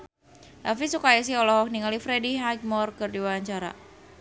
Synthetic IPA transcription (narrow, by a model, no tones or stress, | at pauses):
ʔafisukais̬iɔlɔɦɔk̚niŋalifɾediɦaɡ̚mɔrkərdiwaaɲt͡ʃaɾa̰